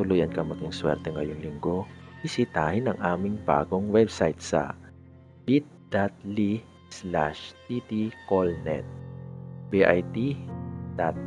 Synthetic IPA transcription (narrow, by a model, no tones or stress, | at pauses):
ʊlujɐnkɐmɐɡiŋswɛ̰ɾt̪ɛŋɐjoŋlɪŋɡo̞b̥ɪsɪt̪aːhɪnɐŋʔaːmɪŋba̰ːɡo̞ŋwɛbsajt̪sɐ̰ | b̥it̪̚d̪̥at̪̚li | sla̰ʃt̪it̪ikolnɛ̰t̪̚ | biʔajt̪id̪̥at̪̚